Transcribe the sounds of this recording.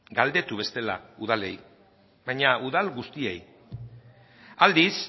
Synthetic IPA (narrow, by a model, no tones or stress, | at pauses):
ɡald̪e̞t̪uβ̞e̞st̪e̞lauð̞ale̞̰j | βajɲauðalɡust̪ie̞j | ald̪is